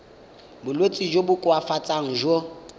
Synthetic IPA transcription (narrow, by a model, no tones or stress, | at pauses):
bʊlwet͡sʼid͡ʒobʊkʼwafat͡sʼaŋ̩ʒo